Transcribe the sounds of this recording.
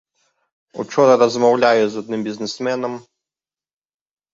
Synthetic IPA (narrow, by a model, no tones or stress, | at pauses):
ṵt͡ʃɔnɐɾɐzmɐwlʲajɛzɐd̪̚nɨmbʲiznɛsmɛnɐm